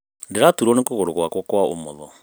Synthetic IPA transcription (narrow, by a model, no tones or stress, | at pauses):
ndeɾatuɾɔnekoɣoɾokwakwokwao̰mɔðɔ